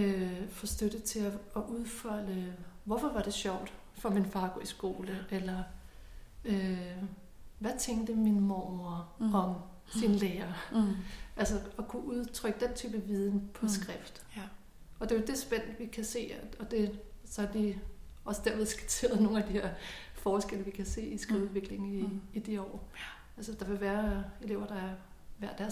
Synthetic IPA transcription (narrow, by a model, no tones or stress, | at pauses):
øfɒ̽sd̥øɾ̥ət͡sʰe̝æɒʔuð̞ˠfɒləʋɒfɒ̽ʋɑ̈ɾ̥e̝ɕɒʊ̰d̥ | fɒ̽minfɑ̈ːɡ̥ɔ̰ːisɡ̥o̝ːləʔelɐ | ø | ʋæt͡sʰeŋɡ̥̚d̥əminmɒɒɐʁɒ̽ŋ | sinleːɐ | ʔælsɐɒ̽kʰuʔuð̞ˠt͡sʰʁœɡ̥əd̥ent͡sʰy̰ːb̥əʋið̞ˠn̩pʰɒ̽sɡ̥ʁɛfd̥ | ɒ̽d̥e̝jo̝d̥e̝sb̥en̰d̥ʋikʰæse̝̰ːɒ̽d̥e̝sɒ̽æd̥i | ɒ̽səd̥æɐ̰ʋe̝ðˠsɡ̥i̥t͡sʰe̝̰ːɐð̞̩ˠno̝ːnæd̥ihe̝ɐ̰fɒːsɡ̥el̰əʋikʰæse̝̰ːisɡ̥ʁiʊuʋe̝ɡ̥le̝ŋŋ̩iːd̥iɒ̰ː | ælsəd̥ɑ̈ʋe̝ʋæːɐe̝le̝ʊ̰ɐd̥ɑ̈æɐ | ʋæɐ̰d̥æɐ